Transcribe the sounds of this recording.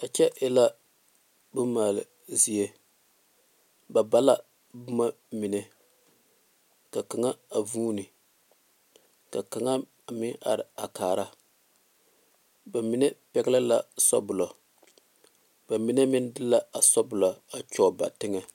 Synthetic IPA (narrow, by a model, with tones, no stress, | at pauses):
a˨t͡ʃɛ˦ʔɪ˦la˦ | bʊ˦maː˨lɨ˨ | zi˦e˦ | ba˨ba˦la˦ | bʊ˦ma˦ | mi˨nɛ˦ | ka˨ka˨ŋa˦a˨vuː˦nɨ˨ | ka˨ka˨ŋa˦˨ | mɪ˦ʔa̰˨ɾɪ˨a˨kaː˨ɾa˦ | ba˨mi˨nɛ˦pɛ˦ɡla˦la˦˨sɔ̰˦bʊ˨lɔ˨ | b̥a˨mi˨nɛ˦mɪ˦n˦dɨ˦la˦a˨sɔ˦bʊ˨la˨a˨t͡ʃɔː˨ba̰˨tɪ˦ŋɛ˦